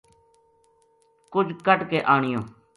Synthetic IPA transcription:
kʊd͡ʒʱkəʈkeːʔaːɳɪjõː

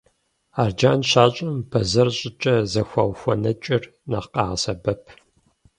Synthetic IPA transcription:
aːrd͡ʒaːnɕaːɕʼɐmpʰɐzɐrɕʼɪt͡ʃʼɐzɐxʷɑwxʷɔnɐt͡ʃʼɪr | nɐ̰qɑːʁɐsɐbɐpʰ

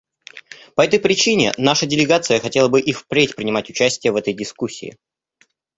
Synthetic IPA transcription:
pɐɛt̪əjpɾʲɪt͡ɕinʲɪ̰naʂədʲɪlʲɪɡat̪sɨjəxɐtʲe̞lˠəbɨʔifpɾʲetʲpɾʲɪnʲɪmatʲʊt͡ɕæsʲtʲɪjəvɛt̪əjdʲɪskusʲːḭːɪ̰

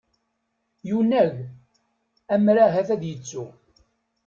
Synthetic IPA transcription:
junæʝ | æmɾaɦæθæðjət͡sːu

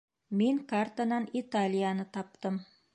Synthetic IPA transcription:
miŋkart̪anɑnit̪alʲɪjanɤt̪ɑp̚t̪ɤm

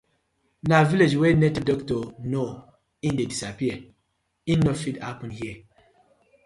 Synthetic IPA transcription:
naviled͡ʒwenetədɔktɔno | ĩndedisapiə | ĩnnːofidhapɔ̃nhiə

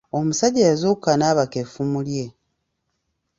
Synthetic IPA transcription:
o̞musaɟajazuːkanaβakefumulje̞

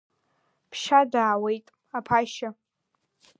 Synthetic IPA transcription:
pʰʃadaːwejtʼ | apʰaʃa

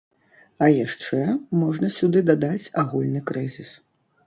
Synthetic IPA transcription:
ɐjaʂt͡ʂɛmɔʐnɐsʲud̪ɨd̪ad̪at͡sʲaɣulʲnɨkɾɨzʲis

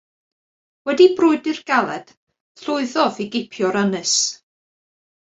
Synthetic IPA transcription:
wɛdibrʊɨdɨrɡ̥alˠɛd̥ | ɬʊɨðɔviɡɪpʰjɔɾənɨs

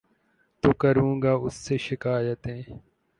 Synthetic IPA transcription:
t̪uːkəɾũːŋɡaːʊsːeːʃɪkaːjət̪ɦẽː

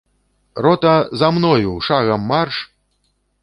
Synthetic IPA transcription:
rɔt̪ɐzamnɔjuʂaɣɐmːarʂ

